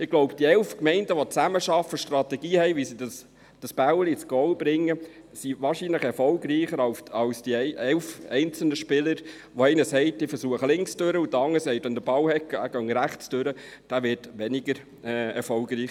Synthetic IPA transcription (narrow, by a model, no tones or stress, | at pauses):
ɪɡ̥lɔʊpd̥iɛlfkmɛɪndəʋɔt͡sæməʃɑfːəʃtrɑtɛɡ̥iːhɛɪʋisidəs | d̥ɑsb̥æwəlit͡sɡ̥ɔwbɾɪŋːə | siʋɑːɾʃinləχɛɾfɔlɡriːχəɾɑʊsɑwsd̥iɛɪʔɛlfɛɪnt͡sl̩nəʃpɪləɾ | ʋɔɛɪnəsɛɪd̥ifəɾsuəχəlɪŋksd̥øɾəut̪ɑŋːəsɛɪt̪ɛnd̪əb̥ɑwhɛkːæ̰ɡ̥œŋɾæχt͡sd̥øɾəd̥æːʋɪɾtʋɛnɪɡəɾ | ɛɛ̰ɾfɔlɡriːχ